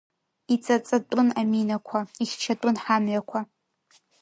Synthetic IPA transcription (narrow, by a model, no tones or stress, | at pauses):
it͡sʼat͡sʼatʷʼʊnaminakʷʰaiχʲt͡ʃʰatʷʼʊnħamɥakʷʰa